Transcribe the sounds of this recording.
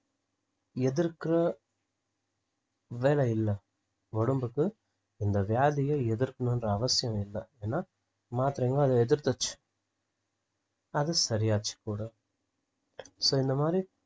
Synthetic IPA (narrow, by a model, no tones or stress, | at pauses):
ɛðɪɾkɪɾɐ | ʋeːlɐɪlːɐ | ʋɔɽɯmbɯkːɯ | ɪnd̪ɐʋjaːðɪjɐɛðɪɾkːɯɳɯnɾɐɐʋɐsɪjɐ̃mɪlːɐeːnːaː | maːt̪ɪɾeːŋɡɐːðɐɛðɪɾt̪ɐt͡ʃːɯ̥ | ɐðɯsɐɾɪjaːt͡ʃːɯ̥kuːɽɐ | soːɪnd̪ɐmaːd̪ɾi